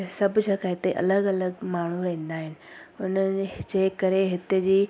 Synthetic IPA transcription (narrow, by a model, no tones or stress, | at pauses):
sɐbʱd͡ʑaːkʰaɦɪt̪eʔɐ̰ləɡɐləɡmaːɽ̤uɾɐɦĩːnd̪aːɦɪnɪ̆ʊnəd͡ʑeːkɐɾeɦɪt̪ɪd͡ʑiː